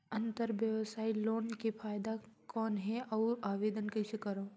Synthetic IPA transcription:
ɐ̃nt̪əɾʋjəʋsaːiloːnkepʰaːjd̪akɔːnɦɛʔɔːɾaːʋeːd̪ənkɐsekəɾoː

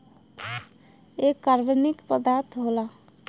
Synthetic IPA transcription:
ekːaɾbənikpəd̪aɾt̪ʰɦola

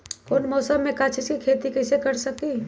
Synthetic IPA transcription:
koːnmɔːsəmːẽkaːt͡ʃʰiskikʰeːt̪ikɛːsekɐɾsɐkiː

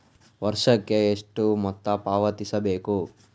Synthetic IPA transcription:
ʋɐɾʂɐkːeːʂʈumɔt̪ːɐpaːʋɐt̪isɐbeːku

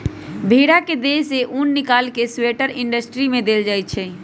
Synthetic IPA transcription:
bʱeɽaked̪eseʔunːɪkalkesweʈəɾɪ̃ɳɖəsʈɾimẽd̪eld͡ʒaːj̚t͡ʃʰɛ

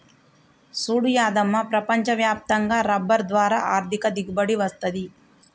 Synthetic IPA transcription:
suːɽjaːd̪ɐmːɐpɾɐpɐɲt͡ʃɐʋjaːp̚t̪ɐŋɡɐɾɐbːɐɾd̪ʋaːɾaːʔaːɾt̪ʰikɐd̪iɡbɐɽiʋɐst̪ɐd̪i

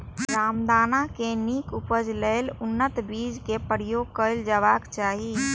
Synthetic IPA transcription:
ɾaːmd̪aːnakenikupəd͡ʒləɪlʊnːət̪biːd͡ʒkepəɾijoɡ̚kəɪld͡ʒəbakt͡ʃaːɦi

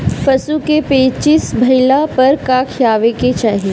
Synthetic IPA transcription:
pɐsukepeːt͡ʃɪsbʱɐɪlapɐɾkaːkʰjaːʋeket͡ʃaːɦie

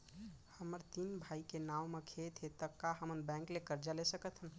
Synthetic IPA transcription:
həməɾt̪inbʱaikenawmekʰet̪ʰet̪əkːaɦəmənbɛ̃ŋklekəɾd͡ʒalesəkət̪ʰɦən

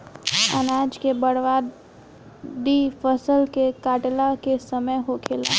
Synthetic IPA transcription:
ənaːd͡ʒkebəɽʋaː | d̪ifəsəlkekaːʈlakesəməjɦokʰeːlaː

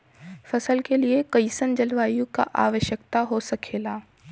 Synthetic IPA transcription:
fɐsəlkeliekɐisənd͡ʒɐlʋaːjõka̰ʔa̰ːʋəʃjəkt̪aɦosɐkʰeːlaː

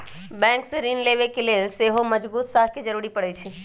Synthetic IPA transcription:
bɛ̃ŋkseɾinleβekelelseɦoməd͡ʒbuːt̪saɦked͡ʒəɾuɾipəɽɛt͡ʃʰi

